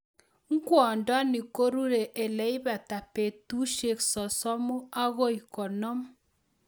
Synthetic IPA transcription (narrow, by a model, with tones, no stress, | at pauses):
ŋ̩˦kwɔ˨nda˦ni˨ko˦ɾu˦ɾe˨ʔe˨lɛ˨˦i˦βa˨ta˨pe˨tu˦ʃe˦˨ksɔ˨sɔ˦mɔ˦a˦ɣo˦i˨kɔ˨nɔ˦m